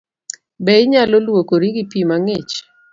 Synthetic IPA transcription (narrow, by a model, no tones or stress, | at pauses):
bɛɪɲalolwokoɾiɡipimaŋɪt͡ʃ